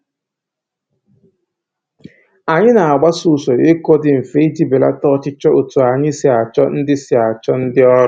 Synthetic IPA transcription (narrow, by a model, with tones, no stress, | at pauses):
a˨ɲɪ˦na˨a˨ɡ͡ba˦su˨so˨e˦ko˦dɪ˨m̩˨fe˦d͡ʒi˦be˨la̰˦tɔ˦t͡ʃɪ˦t͡ʃɔ˦o˨tu˨a˨ɲɪ˦si˨a˨t͡ʃɔ˦n̩˦dɪ˦si˨a˨t͡ʃɔ˦n̩˦dɪ˦ɔ˦ɾɔ˨